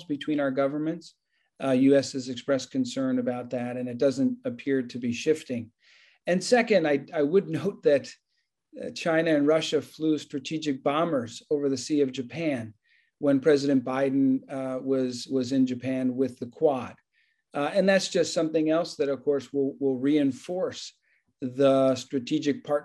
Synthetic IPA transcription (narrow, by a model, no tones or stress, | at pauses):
zbɨtʰw̥ĩñaʊə˞ɡʌvə˞mɨ̃nts | jʉɛsɨzɨkspɹɛskʰɨ̃n̩sɜ̃˞nɨbaʊt̪̚ðɨɾɨ̃nɨt̚d̥ʌzɨ̃ntɨpʰɪɹɾɨbiʃɪftɪ̃ŋ | ɨ̃nsɛkɨ̃ndaɪaɪwədⁿnoʊt̪̚ðɨt | t͡ʃʰãɪ̃nɨɨ̃nɹʌʃɨflʉstɹ̥ɨtʰid͡ʒɨk̚b̥ɑ̃mə˞zoʊvə˞ðɨsiʌvd͡ʒɨpʰæ̃n | wə̃npʰɹ̥ɛzɨɾɨ̃nb̥aɪdⁿn̩wʌzwʌzɨ̃nd͡ʒɨpʰæ̃nwɪðɨkʰw̥ɑd̥ | ɨ̃nðætsd̥ʒ̥ʌstsʌ̃mθɪ̃ŋɛlˠsðɨɾʌv̥kʰɔɹswɪlˠwɪlˠɹiɨ̃ɱfɔɹs | ðəstɹ̥ɨtʰid͡ʒɨk̚pʰɑɹ